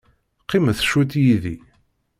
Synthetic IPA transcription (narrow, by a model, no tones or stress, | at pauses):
qːiməθʃut̪jiðḭ